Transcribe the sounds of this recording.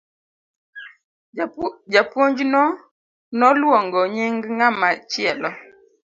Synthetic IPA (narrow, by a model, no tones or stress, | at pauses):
d͡ʒapwoɲd͡ʒinɔ | nɔluɔŋɡɔɲɛŋɡŋamat͡ʃiɛlɔ